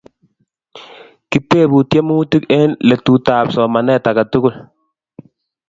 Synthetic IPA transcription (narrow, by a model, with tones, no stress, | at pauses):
kɪ˦te˦˨bu˨tje˦muː˦ti˦ke˦nlɛ˨tu˨taː˨psɔ˨ma˨nɛ˦ta˨ka˨tʊ˦kʊ˦˨l